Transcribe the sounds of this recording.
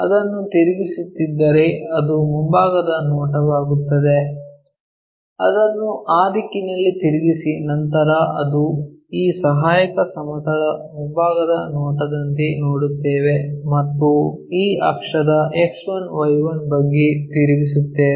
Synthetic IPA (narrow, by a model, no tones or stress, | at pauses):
ɐ̰d̪ɐnːut̪iɾiɡisut̪ːid̪ːɐɾeɐd̪umumbaːɡɐd̪ɐnɔːʈɐʋaːɡut̪ːɐd̪e̞ | ɐd̪ɐnːuʔaːd̪ikːinɐlːit̪iɾiɡisinɐnt̪ɐɾɐɐd̪uiːsɐɦaːjɐkɐsɐmɐt̪ɐɽɐmumbaːɡɐd̪ɐnɔːʈɐd̪ɐnt̪inoːɽut̪ːeːʋe̞mɐt̪ːuiːɐ̰kʂɐd̪ɐʔeksʋɐnʋɐjʋɐnbɐɡːet̪iɾiɡisut̪ːeː